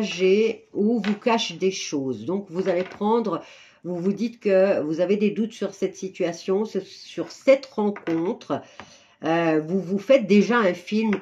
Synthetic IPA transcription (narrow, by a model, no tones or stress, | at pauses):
ʒeuvukaʃd̪eʃozd̪ɔ̃kvuzalepχɑ̃d̪ʁ | vuvud̪it̪kəvuzaved̪ed̪ut̪syʁsɛt̪sit̪ɥasjɔ̃səsyʁsɛt̪ʁɑ̃kɔ̃t̪χ | øvuvufɛt̪̚d̪eʒaɛ̃film